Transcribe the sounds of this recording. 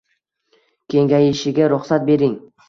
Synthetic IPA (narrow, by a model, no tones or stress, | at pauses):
kʲʰe̞ŋɡʲajɪʃɪɡʲaɾʊχsat̪̚be̞ɾɪŋ